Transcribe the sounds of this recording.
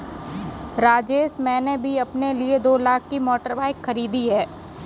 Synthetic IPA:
ɾaːd͡ʒeːʃmɛ̃ːnebʱiɐpnelied̪oːlaːkːimɔːʈəɾbaːɪkʰːɐɾiːd̪iɦɛː

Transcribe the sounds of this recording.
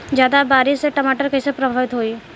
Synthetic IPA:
d͡ʒjaːd̪abaːɾɪseʈəmaːʈəɾkɐɪsepɾəbʱaːʋɪt̪ɦoiː

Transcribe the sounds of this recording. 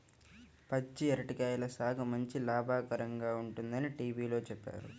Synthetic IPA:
pɐt͡ʃːiɛɾɐʈikaːjɐlɐsaːɡʰɐmɐɲt͡ʃilaːbʱaːkɐɾɐŋɡaːuɳʈund̪ɐniʈiːʋiːlo̞ːt͡ʃɛpːa̰ːɾṵ

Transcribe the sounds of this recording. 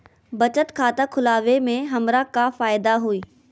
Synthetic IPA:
bɐt͡ɕət̪kʰaːt̪akʰʊlaːʋemẽɦɐmɾakafaːɪd̪aɦuiː

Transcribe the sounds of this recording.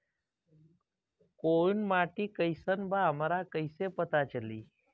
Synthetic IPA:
koːinmaːʈiːkəjsənbaɦəmɾakəɪsepət̪at͡ʃəlḭː

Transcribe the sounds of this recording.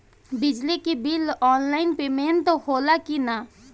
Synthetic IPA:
bɪd͡ʒlikibilɔːnlaɪnpemeːnt̪ohoːlakina

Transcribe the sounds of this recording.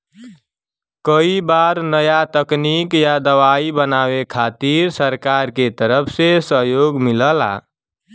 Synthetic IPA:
kəibaɾnəjat̪əknikjad̪əʋaibənawekʰat̪iɾsəɾkaɾket̪əɾəpʰsesəɦjoɡmiləla̰

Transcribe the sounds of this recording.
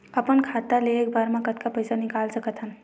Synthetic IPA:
əpənkʰat̪aleeːk̚baːɾmãkət̪kapəjsanɪkaːlsəkət̪ɦən

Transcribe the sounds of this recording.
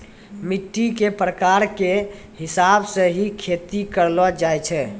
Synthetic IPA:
miʈːikepɾəkaɾke | ɦɪsabsəɦikʰet̪ikəɾlɔd͡ʒajt͡ʃʰɛ

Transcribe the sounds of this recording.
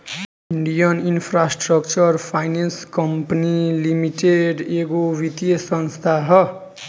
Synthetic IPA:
iɳɖijʌninpʰrasʈrʌkt͡sʌrpʰajnenskʌmpanilimiʈeɖeɡobit̪jesʌnst̪ʰaɦʌ

